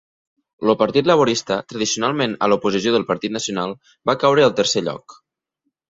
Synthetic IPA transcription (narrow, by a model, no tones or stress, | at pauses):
lopəɾt̪it̪ləβ̞uɾist̪ət̪ɾəð̞isiunalˠmenə̰lupuzisjoðəlˠpəɾt̪it̪nəsiunalˠ | bakawɾəːlˠt̪əɾseʎɔ̰k